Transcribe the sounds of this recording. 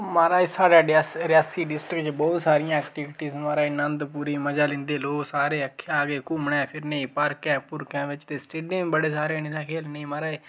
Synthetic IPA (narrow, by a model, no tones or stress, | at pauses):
maːɾaːesaːɖaːɖsɾɪjaːsiːɖɪsʈɾɪkt͡ʃbɔːt̪saːɾɪjãːɛːkʈiʋʈiːsmaːɾaːinənd̪puːɾiːməd͡ʒaːlɪ̃nd̪eːloːksaːɾeːəkʰːaːɡeːkʊmɳɛ̃ːpʰɪɾnẽĩːpəɾkɛ̃ːpʊɾkɛ̃ːʋɪt͡ʃd̪eːsʈeːɖĩbəɽeːsaːɾeːnit̪ãːkʰeːlneĩːmaːɾaːeː